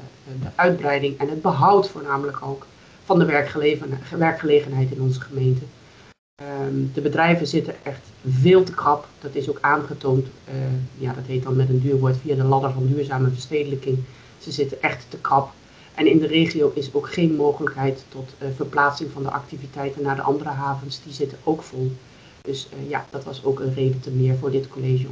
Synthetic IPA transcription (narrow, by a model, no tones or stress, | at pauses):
dəʔœɥd̚brɛjdɪŋɛnɦəd̚bəɦɑwtfʊːɹnaːmələkʰowk | fɑndəʋɛɹ | ʋɛɹkχəleːχənɦɛjtɪnɔnzəχəmejntə | dəbədrɛjvəzɪtəʔɛχtvɪːlˠtəkrɑpd̥ɑtɪsokaːnχətoːnt | jaːdɑtɦet̚dɑnmɛtəndyːɹʋoːɹtfijadəlɑdəɹvɑndyːɹzaːməvəɹsteːdələkɪŋ | z̥əzɪtənʔɛχtːəkrɑp | ʔɛnɪndəreːχiowʔɪsowkχejnmowχələkɦɛjtːɔtvəɹplaːtsɪŋvɑndə̰ʔɑ̰k̚tivitɛjtənːaːɹdə̰ʔɑndərəɦaːvənsdizɪtənowkfɔlˠ | dɵsja̰d̥ɑtʋɑsowkənreːdətəmɪːɹvʊːɹdɪtkoleʒə